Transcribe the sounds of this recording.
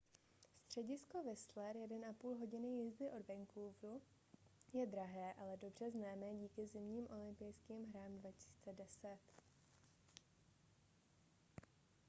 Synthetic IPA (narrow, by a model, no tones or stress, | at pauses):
st̪r̝̥ɛɟɪsko̞vɛslɛɾjɛdɛnʔapuːlɦo̞ɟɪnɪjɪzdɪʔo̞dvɛŋkluvɾu | jɛd̪ɾaɦɛːʔalɛdo̞br̝ɛznaːmɛɟiːkɪzɪmɲiːmʔo̞lɪmpɪjskiːmɦɾaːmdvacɪ̥si̥ːt͡sɛdɛsɛt̪